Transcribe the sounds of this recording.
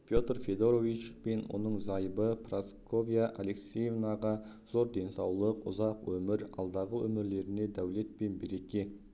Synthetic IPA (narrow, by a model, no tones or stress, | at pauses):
pʰʲjo̞t̪rfʲe̞d̪oɾovit͡ʃpe̞nwʔo̞̰nəɴzɑjbəpʰrasko̞vʲijaʔale̞ksejvnɑʁɑ | z̥o̞ɾd̪e̞nsɑwlˠəqʊ̰zɑqwɵmɪɾɑ̰lˠd̪ɑʁəwɵ̰mɪɾle̞ɾɪne̞d̪æwle̞t̪̚pe̞nbeɾe̞kʲe̞